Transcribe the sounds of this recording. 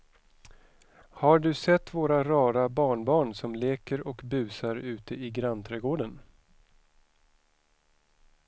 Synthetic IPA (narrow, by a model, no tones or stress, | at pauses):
haɖɵsɛt̪ːvoːɾaɾɑːɾabɑːɳbɑːɳsɔmleːkəɾɔkbʉ̟ːsaɾʉ̟ːt̪əʔɪɡɾant̪ʰɾɛːɡoːɖən